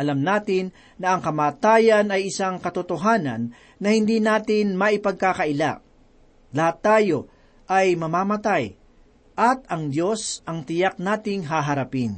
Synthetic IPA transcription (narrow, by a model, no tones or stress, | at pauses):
ʔɐlɐmnaːt̪ɪnː | ɐɐŋkɐmaːt̪aːjɐnɐjʔɪsaŋkɐt̪ot̪oɦaːnɐ̰nː | ɐhɪnd̪iːnaːt̪ɪnmɐʔɪpɐɡ̚kaːkɐʔɪla̰ | lɐhat̪ːaːjo̞ | ʔɐjmɐmaːmɐt̪aj | ʔɐt̪ɐŋd̪jo̞sɐŋt̪ɪjak̚naːt̪ɪŋɦaːɦɐɾɐpɪn